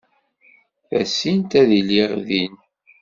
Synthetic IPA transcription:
θæ̰sint̪æðiliʁðin

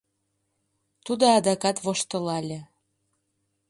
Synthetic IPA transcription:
t̪ud̪oɑd̪ɑkɑt̪βoʃt̪ɤ̆lɑlʲĕ

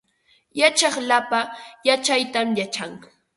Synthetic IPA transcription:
jat͡ʃɑχlapajat͡ʃajt̪amjat͡ʃaŋ

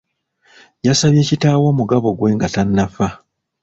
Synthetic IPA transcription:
jasaβje̞ːcitaːwo̞ːmuɡaβo̞ɡwe̞ːŋɡatanːafa

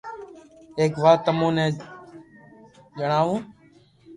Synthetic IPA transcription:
eːkʋaːt̪ːəmõːnẽː | d͡ʒəɳaːʋũː

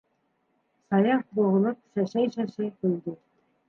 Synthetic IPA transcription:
sɑjɑχbŏʁɤ̆lˠɤp̚ʃæʃæjʃæʃæjkɵ̆ld̪ɘ

